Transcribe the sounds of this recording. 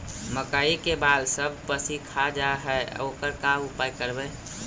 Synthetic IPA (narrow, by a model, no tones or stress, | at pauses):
məkaikebaːlsəb̚ʱpəsikʰad͡ʒaɦɛoːkəɾkaʊpajkəɾbɛ